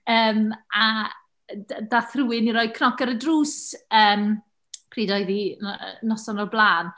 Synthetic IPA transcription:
əːma | dadaθruwɪniɾɔːjd̚kʰnɔkəɾədruːsəːm | kʰriːdɔjðḭnɔsɔnɔblˠaːn

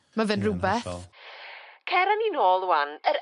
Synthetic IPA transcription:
mavɪnrʊbɛθ | kʰɛɾaninoːlˠwanəɾ

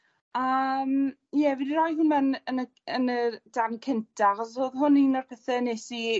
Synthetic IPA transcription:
əm | jɛvidiɾɔjhʊnmɛnənə | ənəd̥ankʰɪntʰaχɔs̬oːðɦʊninɔrpʰɛθɛnesi

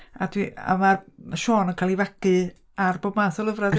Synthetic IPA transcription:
a̰dwia̰marʃoːnənkʰaːlˠivaɡɨ | arboːbmaːθɔlˠəvrad

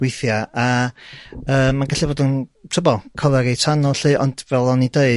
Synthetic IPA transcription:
wɪθjaʔa | əːmanɡaɬiboːdəntʰɔbɔlˠkʰɔvɛɾejtʰanɔɬɨːʔɔnd̥vɛlˠɔnideɨ

